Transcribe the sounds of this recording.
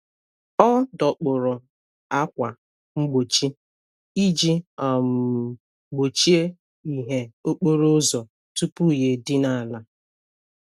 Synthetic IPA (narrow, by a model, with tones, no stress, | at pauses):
ɔ˦dɔ˨k͡pʊ˨ɾʊ˨ | a˦kʷa˨ | ŋ͡m̩˦ɡ͡bo˨t͡ʃi˦ | i˦d͡ʒi˦ɔ˨m̩˨ | ɡ͡bo˨t͡ʃi˦e˦ | i˦˨ɦe˦o˦k͡po˦ɾo˦zɔ˨ | tu˦pu˦˨je˨dɪ˦na˨a˨la˨